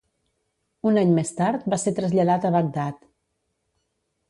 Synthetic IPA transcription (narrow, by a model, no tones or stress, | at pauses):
unaɲmest̪aɾt̪̚baset̪ɾəzʎəðat̪əβəɡ̚d̪at̪